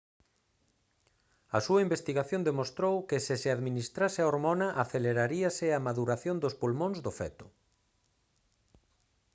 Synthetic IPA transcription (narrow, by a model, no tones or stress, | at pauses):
ɐsuɐimbest̪iɣaθjõnd̪emost̪ɾowkɪsɪsɪaðminist̪ɾasɪaoɾmonaʔaθeleɾaɾiɐsɪamaðuɾaθjond̪ospulmõnzðʊfɛ̰t̪ʊ̥